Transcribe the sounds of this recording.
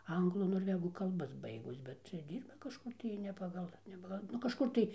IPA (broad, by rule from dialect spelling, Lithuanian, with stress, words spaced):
ˈɐŋɡlˠuː noːrʲˈʋʲæːɡuː kɐlˠˈbɐs ˈbɐɪɡʊs ˈbʲɛt t͡ʃʲɛ ˈdʲiːrbɐ kɐʃˈkʊr tɐɪ nʲɛ ˈpɑːɡɐlˠ nʲɛ ˈpɑːɡɐlˠ ˈnʊ kɐʃˈkʊr tɐɪ